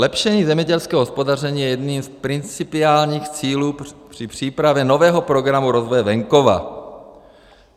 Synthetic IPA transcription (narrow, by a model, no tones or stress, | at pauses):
lɛpʃɛɲiːzɛmɲɛɟɛlskɛːoɦospo̞dar̝ɛɲiːjɛjɛdniːmspɾɪnt͡sɪpɪaːlɲiːxt͡siːluːpr̥ɪpr̝̥iːpɾavjɛno̞vɛːɦopɾo̞ɡɾamuɾo̞zvojɛvɛŋko̞va̰